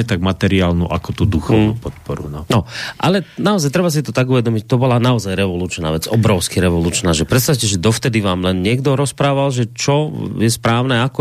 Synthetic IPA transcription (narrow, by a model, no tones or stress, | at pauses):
ɛt̪aɡ̚mat̪ɛɾiaːlnṵːʔa̰kɔt̪uːd̪uxɔʋnṵːpɔt̪̚pɔɾunɔnɔʔalɛnaɔzajt̪ɾɛbas̬it̪ɔt̪aɡuʋɛd̪ɔmict̪ɔbɔlanaɔzajɾɛʋɔluːt͡ʃna̰ːʋɛd͡zɔbɾɔʊskiɾɛʋɔluːt͡ʃnaːʒɛpɾɛt̪st̪awcɛʒɛd̪ɔft̪ɛd̪iʋaːmlɛnɲɪɛɡd̪ɔɾɔspɾaːʋalʒɛt͡ʃɔjɛspɾaːʊnɛakɔ